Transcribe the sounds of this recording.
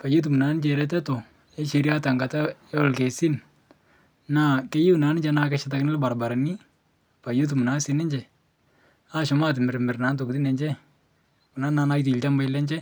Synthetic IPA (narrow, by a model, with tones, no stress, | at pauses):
pa˨jo˦t̬u˨mu˨na˨˦n˦d͡ʒɛ˨ɾɛ˦tɛ˦to˨ | ɛ˦ʃe˧ɾja˦ta˨ŋɡa˨ta˦ | ɛ˦ɔ˦˨lke˨si˦n | na˦˨ke˦ji˦u˨na˨˦nɪ˦d͡ʒɛ˨na˦kɛ˦ʃɪ˦t̬a˨knɪ˦lba˨ɾba˨ɾa˨ni˦ | pa˨jo˦t̬u˨mu˨na˨˦sɪ˨˦nɪ˦ɲd͡ʒɛ˨ | a˦ʃɔ˨˦ma˦˨t̬ɪ˨mɪ˨ɾmɪ˨ɾna˨˦nt̬o˨kutɪ˦nɛ˨ɲd͡ʒɛ˦ | kʊ˨na˦na˦na˦jt̬ːlt͡ʃa˦mba˦jlɛ˦ɲd͡ʒɛ˦